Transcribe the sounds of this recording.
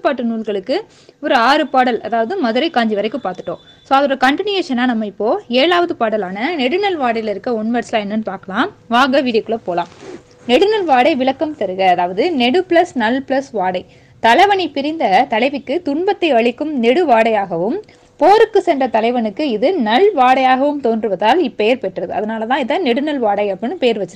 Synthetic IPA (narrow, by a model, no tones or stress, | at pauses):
ɯpːaːʈːɯnuːlɣɐɭɯkːɯ | ɔɾɯaːɾɯpaːɽɐlɐ̰ðaːʋɐðɯmɐðɯɾɐɪkːaːɲd͡ʒiʋɐɾɐɪkːɯpaːɾt̪ɯ̥ʈːõː | soːɐðɯɾɐkɐɳʈɪnjeːʂɐnːaːnɐmːɐɪpːoːeːɻaːʋɐðɯpaːɽɐlaːnɐnɛɽɯnɐlʋaːɽɐjlɪɾɯkːɐʊɳʋɐɾslaːɛnːɯnːɯpaːɾkɐlãːmʋaːŋɡɐʋiːðɐkːɯɭɐpoːlãːm | nɛɽɯnɐlʋaːɽɐɪʋɪɭɐkːɐmt̪ɐɾɯɣɐːðaːʋɐðɯnɛɽɯpɪɭɐsnɐlpɪɭɐsʋaːɽɐɪ | t̪ɐlɐɪʋɐɳɪpɪɾɪnd̪ɐt̪ɐlɐɪʋɪkːɯt̪ʊɳbɐt̪ːɐɪɐɭɪkːɯmnɛɽɯʋaːɽɐjaːɣɐʋɯm | poːɾɯkːɯsɛndrɐt̪ɐlɐɪʋɐnɯkːɯɪðɯnɐlʋaːɽɐjaːɣɐʋɯmt̪oːndrɯʋɐðaːlɪpːɛjɐɾpɛʈːrɐðɯɐðɐnaːlɐt̪ãːɪðɐnɛɽɯnɐlʋaːɽɐɪɐpːɐnːɯpɛjɐɾʋɐt͡ʃːɐɾ